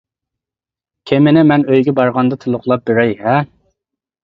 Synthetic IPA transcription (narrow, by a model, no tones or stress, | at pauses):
kʲʰemɪnɪmɛnøjɡʲɛbɑɾʁɑnd̪ɑt̪ʰɨlˠʊχlˠɑp̚beɾɛjhɛ